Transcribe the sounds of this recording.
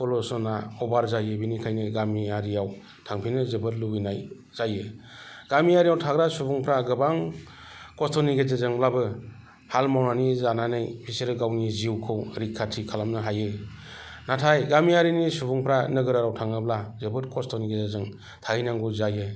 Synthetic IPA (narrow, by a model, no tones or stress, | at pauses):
kɔlɔsɔnaɔbaɾzajɯbinikʰajnɯɡamiaɾijaw | tʰaŋpʰinɯzɯbɯt̚lubinaj | z̥aje | ɡ̥amiaɾijawtʰaɡɾasubuŋpʰɾaɡɯbaŋ | kɔstɔniɡezezɯŋlabɯ | halmawnanizananɯjpʰiseɾɯɡawniziwkʰɯwɾikʰːatʰikʰalamnɯɦajɯ | natʰajɡamiaɾinisubuŋpʰɾanɯɡɯɾaɾawtʰaŋɯb̚lazɯbɯt̚kʰɔstʰɔniɡezezɯŋ | tʰainaŋɡuzaje